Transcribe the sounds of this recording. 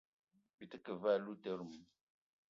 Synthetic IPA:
bi˨tə˦kə˨va˦˨lu˦tɛ˦ɾu˨m˦

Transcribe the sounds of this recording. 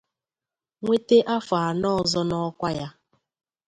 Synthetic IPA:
ŋʷe˦te˦ʔa˦fa˨a˨nɔ˦˨zɔ˦nɔ˦kʷa˦ja˦

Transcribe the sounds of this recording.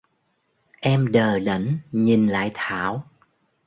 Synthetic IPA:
ʔɛ˧mɗəː˨˩ɗə̰˧˩nɲi˨˩nla̰ː˧˨jt̪ʰaː˧˨w

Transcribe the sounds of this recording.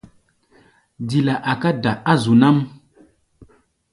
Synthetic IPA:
di˨la˨ʔa˨ka˦da˨a˦zu˨na˦m

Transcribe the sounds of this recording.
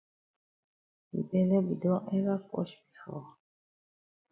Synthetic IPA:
bḭ˨bɛ˨lɛ˦bi˨dɔ˦ɛ˦ɣa˦kɔ̰˦ʃbi˨fɔ̰˨

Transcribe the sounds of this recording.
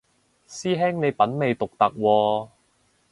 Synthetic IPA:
siː˥ɦɛː˥ŋne˨˧jpɐ˨˥nme˨jt̪ʊ˨k̚t̪ɐ˨k̚wɔː˧

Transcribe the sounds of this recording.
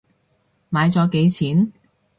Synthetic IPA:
maː˨˧jt͡sɔː˨˧ke˨˧jt͡sʰiː˨˥n

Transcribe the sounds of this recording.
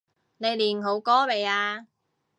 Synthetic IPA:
ne˨˧jliː˨˩nɦo˨˥wkɔː˥me˨jaː˧

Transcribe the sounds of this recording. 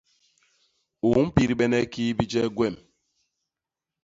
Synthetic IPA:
u˨˦m̩˦pi˦ɾi˦ɓɛ˦nɛ˦ki˦bi˦d͡ʒɛ˦ɡwɛ˦˨m

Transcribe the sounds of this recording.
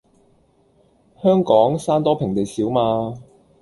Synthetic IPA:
hœː˥ŋkɔː˨˥ŋsaː˥nt̪ɔː˥pʰɪ˨˩ŋt̪e˨jsiː˨˥wmaː˧

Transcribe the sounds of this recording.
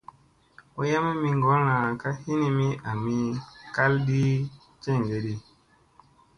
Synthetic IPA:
o˦ja˦me˦mi˧ŋɡɔ˨˦ɾã˨ka˦hi˦ni˧mi˦a˨mi˦ka˦ldi˦ | t͡ʃe˦˨ɡe˨ɾi˦

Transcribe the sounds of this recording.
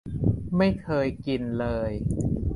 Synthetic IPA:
ma˥˩jkʰɤː˧jki˧nlɤː˧j

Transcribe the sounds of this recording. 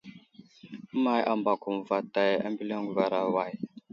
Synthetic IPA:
ma˨jʔa˨mba˨ku˨m˨va˨ta˨ja̰˦mbi˦la˦ŋɡu˨va˨ɾa˨wa˨j

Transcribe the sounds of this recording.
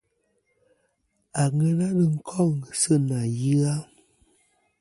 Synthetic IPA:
a˨ŋə˦ɾa˦ɾə˨ŋ̩˦kʰɔ˦˨ŋsə˦˨na˨ji˦a˦

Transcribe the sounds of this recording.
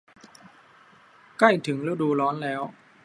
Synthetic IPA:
kla˥˩jt̪ʰɯ˩˦ŋɾɯ˧˦˥wduː˧lɔː˦˥nlɛː˦˥w

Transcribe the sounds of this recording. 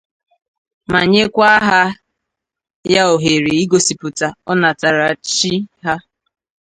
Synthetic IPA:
ma˨ɲe˦kʷa˦ɦa˦ | ja˦o˨ɦe˨ɾe˨i˦ɡo˨si˨pʊ˨ta˨ɔ˦na˨ta˨ɾa˨t͡ʃi˦ɦa˦

